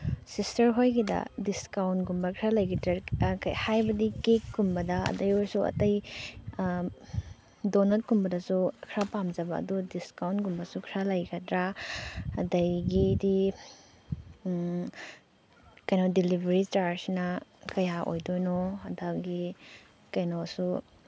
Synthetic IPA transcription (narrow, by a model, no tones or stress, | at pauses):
sistɐɾɦojɡidɐ̰diskawntɡumbɐkʰɾalɐjɡitɾakhajbɐdikekːumbɐdɐɐ̰dɐjoɾsuɐ̰tɐj | donɐt̚kumbɐdɐsukʰɾapamd͡ʒɐbɐ̰ːdudiskawntɡumbɐsukʰɾalɐjɡɐtɾa | ɐdɐjɡidi | kɐjnɔdilibʱɐɾistaɾsinɐkɐjaʔo̰jdojnoɐdaɡi | kɐjnosu